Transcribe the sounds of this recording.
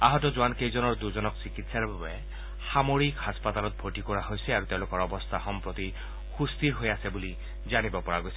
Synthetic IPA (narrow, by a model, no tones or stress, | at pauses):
aɦɔtɔzʊankejzɔnɔɹd̪uzɔnɔksikitsaɹbabɛ | xamoɹikhaspat̪alɔt̪̚bʱotikɔɹaɦojsɛaɹut̪eʊ̃lʊkɔɹɔbɔst̪ʰaxɔmpɹɔt̪i | xust̪iɹɦojasɛbuli | zanibɔpɔɹaɡojsɛ